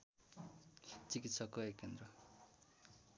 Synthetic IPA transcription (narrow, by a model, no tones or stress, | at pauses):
t͡sikit̪sʰʌkːʌekːend̪rʌ